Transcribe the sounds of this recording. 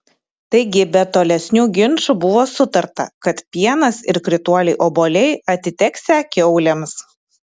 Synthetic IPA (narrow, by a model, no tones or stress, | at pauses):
t̪ɐɪɡʲɪbʲɛt̪oːlʲɛsʲnʲuːɡʲɪnʃubʊʋoːsʊt̪ɐɾt̪ɐ̰kɐt̪pʲiɛnɐsɪɾkɾʲɪt̪uɔlʲɛɪʔoːboːlʲɛɪɐt̪ʲɪt̪ʲɛksʲækʲɪʊlʲɛms